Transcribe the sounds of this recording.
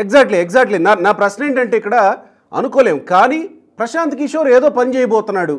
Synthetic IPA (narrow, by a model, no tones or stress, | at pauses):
ekzaːk̚ʈliekzaːk̚ʈlinanaːpɾɐsneːɳʈɐɳʈeːikːɐɽa | ɐ̰nukɔːleːmkaːniː | pɾɐʃaːnt̪ikiʃoːɾeːd̪o̞ːpɐnit͡ʃɛːjɐbɔːt̪unːaːɽu